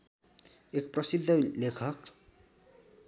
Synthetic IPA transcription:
ek̚prʌsid̪ʱːʌlekʰʌk

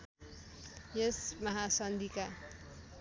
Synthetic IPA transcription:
jesmʌɦasʌnd̪ika

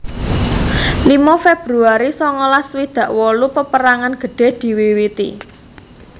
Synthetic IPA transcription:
limɔfeb̥ɾuaɾisɔŋɔlaswid̪̥ä̤ʔwɔlupəpəɾaŋanɡ̥ə̤ɖ̥e̤d̪̥i̤wiwit̪ḭ

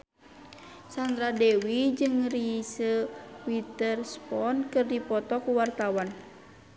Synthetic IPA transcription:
sand̪ɾadɛwid͡ʒɨŋrisəwit̪ərspɔnkɨrdipɔt̪ɔkuwart̪awan

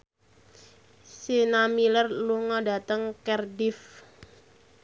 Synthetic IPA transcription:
senamilərluŋɔda̤t̪əŋkɛrdɪf

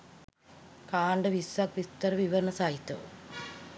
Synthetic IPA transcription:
kaːɳɖɐʋisakʋist̪ɐɾɐʋiʋɐɾɐɳɐsaːɦit̪ːɐṵ

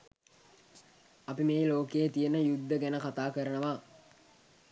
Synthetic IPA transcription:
ɐpimeːloːkejt̪ijənəjud̪ːəɡænəkat̪aːkəɾənəʋaː

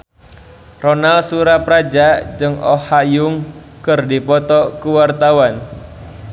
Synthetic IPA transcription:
rɔnalsuɾapɾad͡ʒad͡ʒɨŋɔ̰hajʊŋ | kɨrdipɔt̪ɔkuwart̪awan

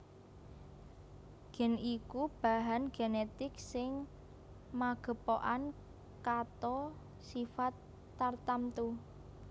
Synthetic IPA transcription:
ɡ̥ɛ̤nikub̥a̤ɦanɡ̥enet̪ɪksɪŋ | maɡ̥ə̤poʔan | kat̪ɔ | sifat̪ː | art̪amt̪u

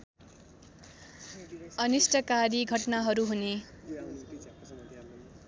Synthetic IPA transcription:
ʌnisʈʌkaɾiɡʱʌʈnaɦʌɾuɦune

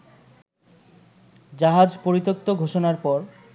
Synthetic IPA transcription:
d͡ʑaɦad͡ʑpoɾit̪ok̚t̪oɡʱoʃonaɾpɔɾ

